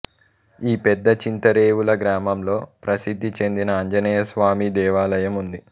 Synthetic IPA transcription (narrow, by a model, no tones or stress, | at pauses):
iːpɛd̪ːɐt͡ʃint̪ɐɾeːʋulɐɡɾaːmɐmlo̞ːpɾɐsid̪ʱːit͡ʃe̞nd̪inɐːɲd͡ʒɐnɛːjɐsʋaːmid̪ɛːʋaːlɐjɐmund̪i